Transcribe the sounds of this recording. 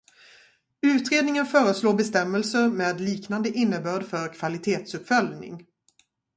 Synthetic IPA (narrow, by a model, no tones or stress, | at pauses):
ʉ̟ːt̪ɾeːd̪nɪŋənfœːɾəsloːɾbɛst̪ɛmːəlsəɾmeːd̪liːknand̪əʔɪnːəbœːɖfœɾkʰv̥alɪt̪ʰeːt̪sɵpfœljnɪ̰ŋ